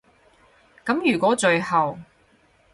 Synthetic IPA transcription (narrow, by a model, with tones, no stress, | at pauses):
kɐ˨˥mjyː˨˩kʷɔː˨˥t͡ʃɵ˨˧ɥhɐ˨w